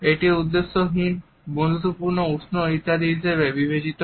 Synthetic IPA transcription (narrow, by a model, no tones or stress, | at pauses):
eʈiud̪ːesːoɦin | bonut̪ːopuɾnousʰnoɦit̪ːad̪iɦiʃeβebibet͡ɕit̪